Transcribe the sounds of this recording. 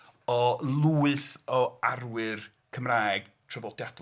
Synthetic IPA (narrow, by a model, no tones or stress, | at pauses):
ɔlˠuːɨθɔarwɨr | kʰəmraːjɡ̥ | tʰrɔvɔdjad